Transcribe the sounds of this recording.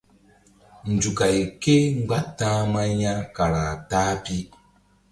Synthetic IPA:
n̩˨d͡ʒu˨ka˨i˨ke˦ŋ͡m̩˦ɡ͡ba˦tːã˦ma˦ɲa˦ka˨ɾa˨taː˦pi˦

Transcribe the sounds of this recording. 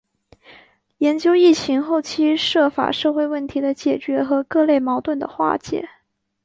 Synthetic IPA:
jɛ˧˥nt͡ɕjo˥ʊi˥˩t͡ɕʰi˧˥ŋxo˥˩ʊt͡ɕʰi˥ʂɤ˥˩fa̰˨˩ʂɤ˥˧xwe˥˧ɪwə˥˩nt̪ʰi˧˥d̪ə˧t͡ɕjɛ˨˩t͡ɕɥɛ˧˥xɤ˧˥kɤ˥˧le˥˩ɪmɑ˧˥ʊt̪wə˥˩nd̪ə̰˩xwa̰˥˩t͡ɕjɛ̰˨˩˦

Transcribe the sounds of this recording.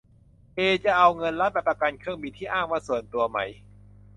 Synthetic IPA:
ʔeː˧t͡ɕa˨˩ʔa˧wŋɤ˧nla˦˥p̪̚ɛ˨˩pɾa˧ka˧nkʰɯ˥˩əŋbi˧nt̪ʰiː˥˩ʔaː˥˩ŋwaː˥˩su˨˩˦ənt̪u˧ɐma˦˥j

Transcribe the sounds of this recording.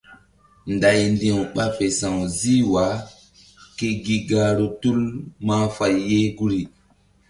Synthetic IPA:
nda˨jndĩ˨wɓa˦pe˨sã˨wzi˦wa˨˦ | ki˦ɡi˦ɡa˦ɾo˨tu˦lma˦fa˨jːe˦ɡu˦ɾi˨

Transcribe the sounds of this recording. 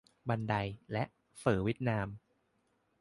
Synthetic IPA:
ba˧nda˧jlɛ˦˥ʔ | fɯː˩˦wi˦˥t̪̚naː˧m

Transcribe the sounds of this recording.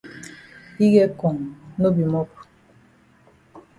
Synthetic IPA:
i˦ɣɛ˦kɔ˨ŋ˨no˦bi˨mɔ˦p

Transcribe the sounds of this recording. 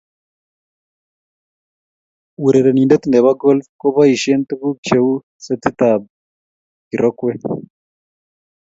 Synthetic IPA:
u˨ɾɛ˨ɾe˨ni˨ndɛ˦t̪i˨nd̪ɛ˨βa˦ɡɔ˦lfkɔ˦βa˦i˨ʃɛ˦nt̪u˦ku˦k̚t͡ʃe˦u˦ | sɛ˦t̪i˦t̪a˨b̚ | ki˨ɾɔ˦kwɛ˦

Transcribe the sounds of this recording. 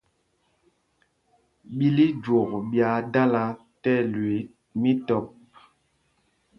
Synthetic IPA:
ɓi˦li˦d͡ʒwo˨kɓja˨˦da˦la˦ | tɛ˦lwe˨˦ | mi˦tɔ˨p̚

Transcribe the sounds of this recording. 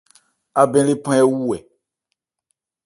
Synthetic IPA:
a˨bɛ̃˦le˦pã˦ɛ˦wu˦ɛ˨

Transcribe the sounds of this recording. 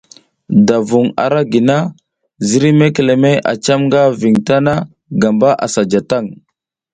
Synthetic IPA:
da˨vu˨ŋa̰˨ɾa˦ɡi˨na˦ | zi˦ɾi˦me˦ke˨le˨me˦ʔa̰˨t͡ʃa˦mŋɡa˦vi˨ŋta˦na˦ | ɡa˨mba˦ʔa̰˨sa˨d͡ʒa˨ta˦˨ŋ

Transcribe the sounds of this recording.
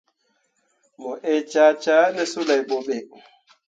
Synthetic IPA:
mɔ˨ʔe˦˨t͡ʃa˦t͡ʃa˦nɛ˦su˦la˨jɓo˨ɓe˨

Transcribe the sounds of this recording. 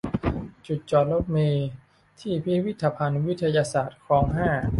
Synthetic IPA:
t͡ɕu˨˩t̪̚t͡ɕɔː˨˩t̪̚lo˦˥p̚meː˧ | t̪ʰiː˥˩pʰi˦˥wi˦˥t̪ʰːaː˧pʰa˧nwi˦˥t̪ʰa˧jaː˧saː˨˩t̪̚kʰɔː˩˦ŋɦaː˥˩

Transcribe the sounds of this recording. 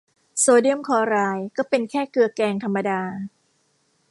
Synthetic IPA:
soː˧di˥˩əmkʰɔː˧˦ɾaː˧jkɔː˥˩pe˧nkʰɛː˥˩kɯ˧ɐkɛː˧ŋt̪ʰa˧mːa˧daː˧

